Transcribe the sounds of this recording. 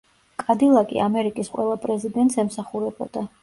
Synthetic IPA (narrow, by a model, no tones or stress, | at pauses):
kʼad̪ilˠakʼḭamɛɾikʼisqʼwɛ̰lˠapʼɾɛzid̪ɛnt̪sɛmsaχuɾɛbɔ̰d̪a